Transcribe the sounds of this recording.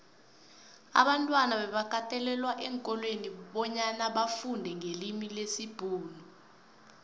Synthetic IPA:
a̰ɓantʼwanaɓɛɓak̬ʰatʰʼɛlɛlwaʔɛŋkʼɔlweniɓɔɲanaɓafundʱɛŋelimilesib̥ʱuːnu

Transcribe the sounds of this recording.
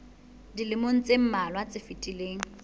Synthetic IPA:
dilɪmon̩t͡sʼem̩malwat͡sʼɪfɪtʼileːŋ̩

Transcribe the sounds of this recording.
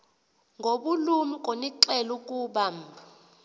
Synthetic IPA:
ŋɡʱoɓulumik̬ʼoniǁɛluk̬ʼuːɓa

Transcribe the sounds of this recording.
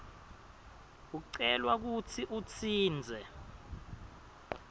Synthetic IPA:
uǀɛlwak̬ut͡sʰiʔut͡sʰiːnd͡zʱɛ

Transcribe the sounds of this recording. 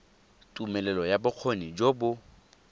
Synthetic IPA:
tʼumɛlɛlɔjabʊq͡χʰonid͡ʒobʊ

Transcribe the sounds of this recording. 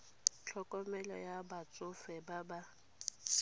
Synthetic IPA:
t͡ɬʰɔkʼɔmɛlɔjabat͡sʼʊfɛbaba

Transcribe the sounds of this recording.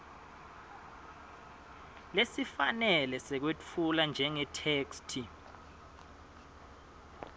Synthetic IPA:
lesifanɛlɛsɛk̬wet͡fʰuland͡ʒʱɛŋɛtʰeːkstʰi

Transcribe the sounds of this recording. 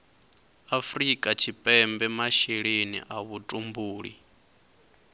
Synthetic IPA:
afrikʼat͡ʃʰipʼɛmbɛmaʃeɺenḭʔaβutʼumbuːɺḭ

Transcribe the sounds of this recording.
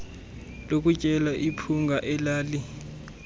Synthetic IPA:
lokʼut͡ʃʼɛlaʔipʰuŋɡʱaʔɛlaːli

